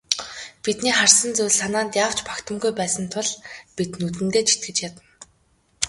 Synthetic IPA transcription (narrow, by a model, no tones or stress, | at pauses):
pit̪niːχarsə̆nt͡sɵwɮsanaːnt̪jaːw̥t͡ɕpḁkt̪ʰə̆mɡujpæːsə̆nt̪ʰʊɮpit̪nut̪̬ɘ̆nt̪eːt͡ɕʰi̥t̪̚ɡɘ̆t͡ɕjat̪ə̆n